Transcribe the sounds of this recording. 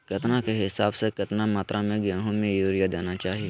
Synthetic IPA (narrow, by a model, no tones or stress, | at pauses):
kɐt̪nakeɦɪsaːbsekɐt̪namaːt̪ɾʔamẽɡɛ̃ːɦõmẽjuːɾijad̪eːnat͡ʃaːɦie